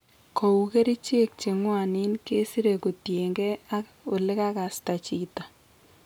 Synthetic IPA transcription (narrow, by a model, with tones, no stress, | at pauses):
kʰo˨u˨ke˦ɾi˦t͡ʃe˦k̚t͡ʃe˨ŋwa˨nɪ˦nke˦si˦ɾe˨ko˨tje˨ŋɡɛ˦a˦k | o˨lɪ˦ka˦ka˨sta˨t͡ʃi˨ta˨